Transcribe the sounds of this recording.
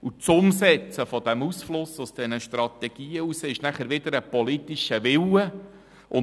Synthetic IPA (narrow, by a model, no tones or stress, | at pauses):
ut͡sʊmsɛt͡səfɔd̥̪ɛmusflʊsʊsd̥ɛnəʃt̪rɑt̪ɛɡ̥iːəuseɪʃnæχəɾʋɪd̪əɾəpɔlit̪ːiʃəʋɪwə | ʔʊ